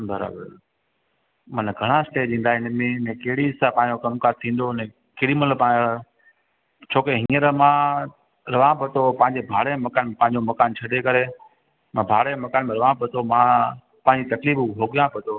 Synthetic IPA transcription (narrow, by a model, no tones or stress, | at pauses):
bəɾa̰ːbə̰ɾ | mɐnɡʱɐɽ̃aɪsʈeːɗĩːn̆d̪aɦɪnmẽnɛ̃ːkɐɦɪɽisãpãːɪ̃ɲd͡ʑokɐmkaːɾt̪ʰĩːn̆d̪onɛ̃ː | keɦɪɽimɐt̪ləbã | t͡ɕʰoːkeɦĩːəɾmã | ɾɐʋãpɐt̪ʰopɐ̃ːɪ̃ɲd͡ʑebʱaːɽemɐkaːnm̃pɐ̃ːɪ̃ɲd͡ʑomɐkaːnt͡ɕʰɐɗekɐɾe | mãbʱaːɽemɐkaːnmẽɾɐʋãpɐt̪ʰomãː | pãɦɪ̃ɲd͡ʑit̪ɐkliːbɦoːɡijãpɐt̪ʰo